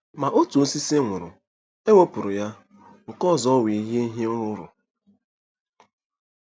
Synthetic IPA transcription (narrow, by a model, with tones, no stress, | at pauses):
ma˨ʔo˦tu˨o˨˦si˦se˦ŋʷʊ˨ɾʊ̰˨ | e˦wo˦pʊ˨ɾʊ˨ja˦ | ŋ̩˨kɔ˦˨zɔ˦wi˨i˦ɦje˦i˦ɦje˦ʊ˦ɾʊ˦ɾʊ̰˨